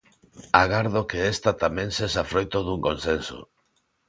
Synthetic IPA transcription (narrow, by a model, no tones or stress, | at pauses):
aɣaɾðokeest̪at̪amẽŋsesafɾojt̪oðuŋkonsenso̰